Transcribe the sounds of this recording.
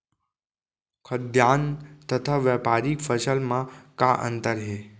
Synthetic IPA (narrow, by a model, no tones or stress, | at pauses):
kʰəd̪jaːnt̪ət̪ʰaʋapaɾikfəsəlmãkaʔə̰̃nt̪əɾɦe